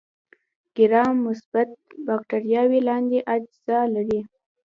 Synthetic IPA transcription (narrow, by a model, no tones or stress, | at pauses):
ɡ̥ɪɾɑmːʊsb̥at̪̚bɑkʈaɾjɑwilɑnd̪eʔad͡ʒz̥ɑlaɾi